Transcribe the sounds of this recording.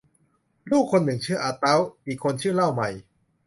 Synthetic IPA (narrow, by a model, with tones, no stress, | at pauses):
luː˥˩kʰːo˧nːɯ˨˩ŋt͡ɕʰɯː˥˩ʔaː˧t̪a˦˥wʔiː˨˩kʰːo˧nt͡ɕʰɯː˥˩˨la˥˩wma˨˩j